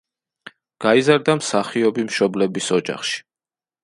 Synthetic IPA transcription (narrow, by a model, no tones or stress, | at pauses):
ɡ̥aizaɾd̪amsaχiɔbimʃɔblɛbisɔd͡ʒa̰χʃi̥